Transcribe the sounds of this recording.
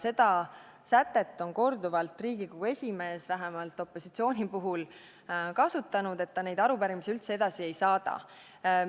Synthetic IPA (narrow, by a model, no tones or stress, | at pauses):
se̞d̪̥ɑ | sæt̪ːe̞t̪ːˑo̞nko̞rd̪uvɑlt̪ˑriːɡ̥ikoɡ̥ue̞sʲime̞ːsvæɦemɑlt̪ːˑo̞pːˑo̞sit̪sio̞ːnʲipuɦul | kɑsut̪ːˑɑnud̪̥e̞t̪ːɑne̞jd̪ɑɾupæɾimisiylt̪se̞e̞d̪̥ɑsie̞jsɑːd̪̥ɑ̰